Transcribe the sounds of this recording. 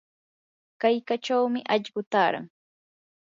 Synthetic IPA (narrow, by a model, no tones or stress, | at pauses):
kajkaʈ͡ʂawmɪʔaʎɢʊt̪aːɾa̰ŋ